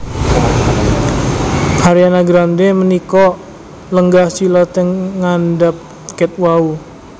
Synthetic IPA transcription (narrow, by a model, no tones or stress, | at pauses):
aɾianaɡɾandemənikɔ | ləŋɡahsilɔt̪ɛŋːandap̚ | kɛt̪̚wau